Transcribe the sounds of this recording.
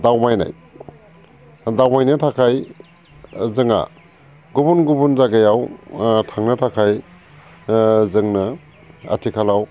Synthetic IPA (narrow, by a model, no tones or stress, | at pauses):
dawmajna̰j | dawmajnɯtʰakʰaj | zɯŋa̰ | ɡubunɡubunzaɡajawtʰaŋnɐtʰakʰaj | zɯŋnɯ | a̰tʰikʰalaw